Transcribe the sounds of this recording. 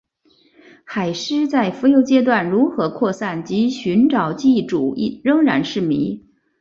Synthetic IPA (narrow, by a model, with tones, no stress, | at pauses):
xa˨˩ɪʂɻ̩˥t͡sa˥˩ɪfu˧˥jo˧˥ʊt͡ɕjɛ˥t̪̬wa˥˩nɻu˧˥xɤ˧˥kʰwɔ˥˧sa˥˩nt͡ɕi˧˥ɕy˧˥nʈ͡ʂɑ˨˩ʊt͡ɕi˥˩ʈ͡ʂu˨˩i˥˩ɻɤ˥ŋɻa̰˧˥nʂɻ̩˥˩mḭ˧˥